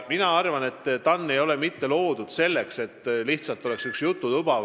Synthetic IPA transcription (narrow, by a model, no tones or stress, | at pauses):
minɑɑrvɑne̞t̪ːt̪ːɑnːe̞jo̞le̞mit̪ːe̞lo̞ːd̪̥ud̪̥se̞lːe̞kse̞t̪ːˑliht̪sɑlt̪ːˑo̞le̞ksyksjut̪ˑːut̪ub̥ɑv